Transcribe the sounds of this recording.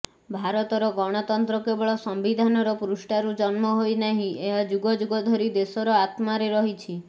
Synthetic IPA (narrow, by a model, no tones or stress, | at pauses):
bʱaɾɔt̪ɔɾɔɡɔɽ̃ɔt̪ɔnt̪ɾɔkebɔɭɔsɔmbid̪ʱanɔɾɔpuɾusʈaɾud͡ʒɔnmɔɦojnaɦĩʔeɦad͡ʒuɡɔd͡ʒuɡɔd̪ʱɔɾid̪esɔɾɔat̪maɾeɾɔɦit͡ʃʰi